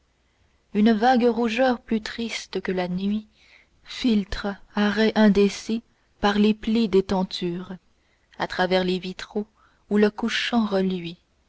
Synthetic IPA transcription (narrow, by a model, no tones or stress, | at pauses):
ynvaɡʁuʒœʁplyt̪χist̪kəlanɥi | filt̪χaʁɛʔɛ̃d̪ese | paʁleplid̪et̪ɑ̃t̪ʰyːʁ | at̪χavɛʁlevit̪χo | uləkuʃɑ̃ʁəlɥi